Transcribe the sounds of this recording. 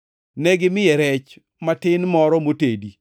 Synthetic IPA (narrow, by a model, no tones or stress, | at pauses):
nɛɡɪmɪjɛɾɛt͡ʃ | matɪnmɔɾɔmotedi